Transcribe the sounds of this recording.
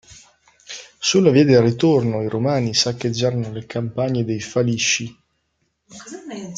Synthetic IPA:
sulːaviːad̪elrːit̪ornoiɾomaːnisakːed͡ʒːaːɾanolekʰampaɲːed̪ejfaliʃːi

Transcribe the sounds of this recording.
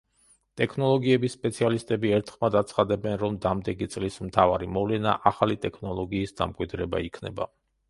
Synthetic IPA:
t̪ʼɛkʰnɔlˠɔɡiɛbisːpʼɛt̪sʰialist̪ʼɛbiɛɾt̪ʰχmad̪at̪sʰχad̪ɛbɛnɾɔmd̪amd̪ɛɡit̪sʼlismt̪ʰavaɾimɔvlɛna̰ʔaχalit̪ʼɛkʰnɔlˠɔɡiːsd̪a̰mkʼwid̪ɾɛba̰ikʰnɛ̰ba̰

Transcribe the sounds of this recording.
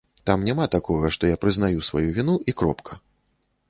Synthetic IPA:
t̪amnʲamat̪akɔɣɐʂt̪ɔjapɾɨzn̪ajusva̰juvʲinuʔikɾɔpkʰɐ̥

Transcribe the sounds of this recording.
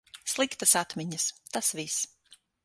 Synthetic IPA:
slˠikt̪əsat̪mʲiɲəst̪asvis

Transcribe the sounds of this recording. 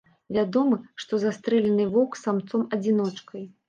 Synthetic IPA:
vʲad̪ɔmɨʂt̪ɔzast̪ɾɛlʲɛnɨvɔksamt̪sɔmɐd͡zʲin̪ɔt͡ʂkɐj

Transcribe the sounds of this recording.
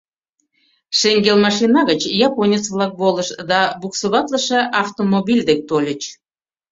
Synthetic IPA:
ʃeŋɡelmɑʃinɑɣət͡ɕjɑponʲet͡sβlˠɑk̚boləʃd̪ɑbuksoβɑt̪ləʃeʔɑft̪omobʲilʲd̪ek̚t̪olʲət͡ɕ

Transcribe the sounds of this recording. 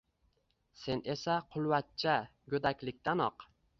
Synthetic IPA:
se̞ne̞saqʰʊlˠwat̪̚t͡ʃʰaɡʲɵd̪akʲlɪk̚ʲt̪ʰanɒq

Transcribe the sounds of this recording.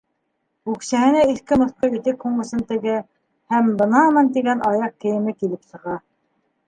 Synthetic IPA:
ʉksæhɘ̆næiθkɘmŏθqɤit̪ɘkhuɴɤ̆sɤnt̪ɘ̆ɡɘ | hæmbɤ̆nɑmɤnt̪iɡænʔɑjɑq̚kɘ̆jɘ̆mɘkilɘpsɤ̆ʁɑ

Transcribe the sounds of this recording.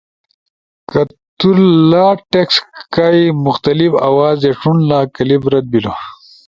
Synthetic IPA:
kɐt̪uɾlaːʈekskajmuxt̪ɐlifɐ̰waːzeʂunlaːkɐlibɾɐd̪̚bilo

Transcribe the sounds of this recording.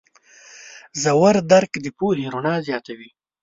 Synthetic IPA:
zawaɾd̪aɾkd̪əpulhiɾunɑzjɑːt̪awi

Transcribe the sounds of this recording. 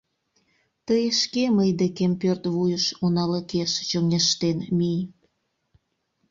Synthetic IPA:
t̪əjeʃkeməjd̪ekempørt̪βujəʃonɑləkeʃt͡ɕoŋeʃt̪enmij

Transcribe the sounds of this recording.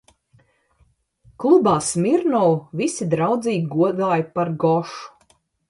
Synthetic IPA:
klˠubaːsmʲiɾnɔwvisid̪ɾawd̪ziːɡʲiɡuɔd̪aːjpaɾɡɔʃu̥

